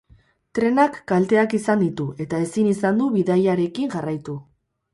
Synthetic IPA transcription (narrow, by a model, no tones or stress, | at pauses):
t̪ɾe̞nakːalt̪e̞akisand̪it̪ue̞t̪ae̞sinisand̪uβiðajaɾe̞kiŋʝarajt̪u